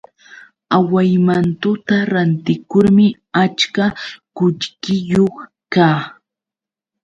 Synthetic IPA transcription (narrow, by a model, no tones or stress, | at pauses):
awajmant̪ʊt̪aɾant̪ɪkʊɾmɪ | at͡ʃkakʊʎkɪjoχ | kaː